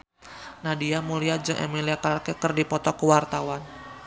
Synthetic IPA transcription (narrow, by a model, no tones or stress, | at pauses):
nadiamuliad͡ʒəŋʔḛmiliakalakɛkərdipɔt̪ɔkəwart̪awan